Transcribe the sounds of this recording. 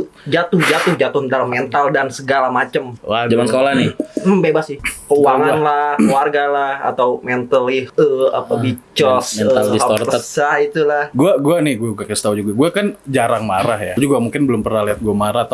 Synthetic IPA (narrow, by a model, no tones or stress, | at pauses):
d͡ʒat̪ʊhd͡ʒat̪ʊhd͡ʒat̪ʊhənt̪aɾamɛnt̪aldansəɡalamat͡ʃəmwad͡ʒamanskolahnɪm̩bebasɪhkəuaŋanlahkluarɡalaha̰t̪awmɛnt̪əliəa̰pabit͡ʃɔsmɛnt̪aldisaɔt̪əsait̪ulahɡuaɡuanɪɡuauɡakist̪aud͡ʒuɡaɡuakand͡ʒaɾaŋmaɾahjad͡ʒuɡamuŋkɪnbəlʊmpərnahliɦat̪̚ɡuamaɾat̪a